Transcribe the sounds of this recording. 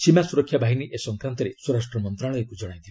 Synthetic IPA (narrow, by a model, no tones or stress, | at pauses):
simasuɾɔkʰːjabʱaɦiniʔesɔŋkɾant̪ɔɾeswɔɾasʈɾɔmɔnt̪ɾaɭɔekud͡ʒɔɽ̃aj̃nt̪il